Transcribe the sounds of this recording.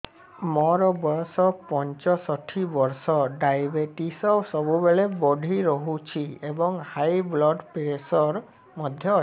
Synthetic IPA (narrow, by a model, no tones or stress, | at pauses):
mɔɾɔbɔɾsɔpɔnt͡ʃɔsɔʈʰibɔɾsɔɖajbeʈisɔsɔbubeɭebɔɖʱiɾɔɦut͡ʃʰiebɔŋhajblɔɖpesɔɾ | mɔd̪ʱjɔ